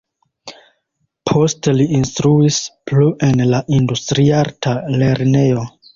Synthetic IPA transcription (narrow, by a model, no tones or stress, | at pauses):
pʰo̞steliinstɾuispluʔe̞nlaʔindustɾiaɾtale̞ɾne̞jo̞